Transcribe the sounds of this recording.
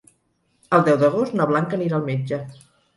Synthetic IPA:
əlˠd̪ɛwðəɣ̞ost̪naβlaŋkəniɾaːlˠmed͡ʒə

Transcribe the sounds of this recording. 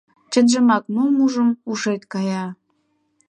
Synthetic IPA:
t͡ɕə̆nʒə̆mɑknumuʒəmuʃet̪ʲkɑjɑ

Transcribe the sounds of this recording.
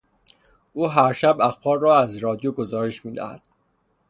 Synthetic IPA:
ʔuːɦæɾʃæbæxbɒːɾːɒːæzɾɒːd̪ijoɡo̞zɒːɾeʃmiːd̪æ̰hæ̰d̪̥

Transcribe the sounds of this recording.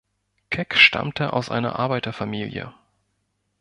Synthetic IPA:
kʰɛkʃtʰa̰mtʰəʔa̰ʊsʔa̰ɪnɐ̰ʔaɐbaɪtɐfamiːljə̰

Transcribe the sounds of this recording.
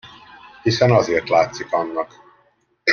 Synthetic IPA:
hisɛnɒzeːrt̪laːt̪sikɒnːɒk

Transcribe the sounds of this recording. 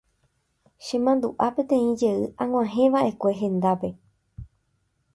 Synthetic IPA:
ʃẽ̞mãnd̪uʔapẽ̞t̪ẽ̞ĩd͡ʒe̞ɨʔãŋw̃ãɦẽ̞ʋaʔe̞kʷe̞ɦẽ̞nd̪ape̞

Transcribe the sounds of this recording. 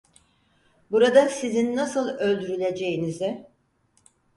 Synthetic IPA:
buɾad̪asizinːasɯlˠø̞lʲd̪yɾylʲe̞d͡ʒe̞jinizɪ

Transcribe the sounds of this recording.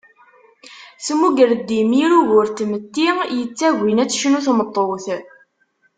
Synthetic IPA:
səmuɡəɾd̪imiɾuʝʊɾt̪ːmət̪ːijət͡sːæʝʷinæt͡sːʃənuθmət̪ˤːoθ

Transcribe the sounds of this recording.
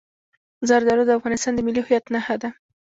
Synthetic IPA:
zɑɾd̪ɑɾod̪əafɣɑnɪst̪ɑnd̪əmɪlihʊjat̪nahad̪a

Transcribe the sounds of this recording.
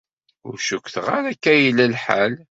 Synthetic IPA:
ʊ̰ɾʃukʷθʁaɾækːæjlːælħal

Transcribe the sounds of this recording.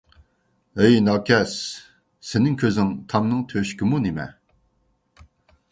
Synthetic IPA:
ɛjnɑːkʰʲɛs | sɪnɪŋkʲʰøzɪŋt̪ʰɑmnɨŋt̪ʰøʃkʲimunimɛ̰

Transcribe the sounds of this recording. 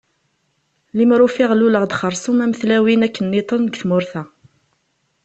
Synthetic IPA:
limɾʊfɪʁluləʁd̪χəɾˤsˤumæməθlæwinækːənːit̪ˤənɡθmʊɾθæ

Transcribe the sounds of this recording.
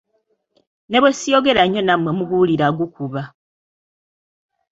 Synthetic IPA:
neβwesijoɡe̞ɾaɲo̞namwemuβuliɾaɡukuβa

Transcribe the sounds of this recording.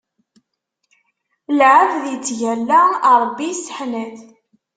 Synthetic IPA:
lʕəvðjət͡sːʝælːæɾˤbːisːə̥ħnæθ

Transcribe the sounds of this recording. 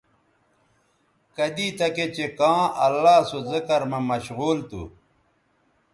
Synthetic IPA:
kɐd̪iːt̪ɐket͡ɕekãːɐlːaːsozikɐɾmɐmɐɕɣuːlt̪ṵ

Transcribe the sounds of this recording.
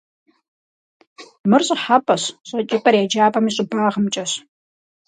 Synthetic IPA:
mɨrɕʼɪħapʼɐɕɕʼɐt͡ʃʼɪpʼɐrjad͡ʒaːpʼɐmiɕʼʊbaːʁəmt͡ʃʼɐɕ

